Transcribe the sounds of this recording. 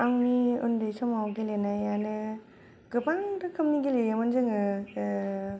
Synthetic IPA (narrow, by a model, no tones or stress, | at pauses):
aŋniṵndejsɔmawɡelenajanɯ | ɡɯbaŋdɯkʰɯmniɡelejamɯnzɯŋɯ